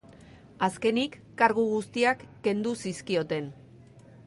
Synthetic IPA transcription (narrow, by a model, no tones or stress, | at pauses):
aske̞nikːaɾɣuɣ̞ust̪iakːe̞nd̪usiskio̞t̪e̞n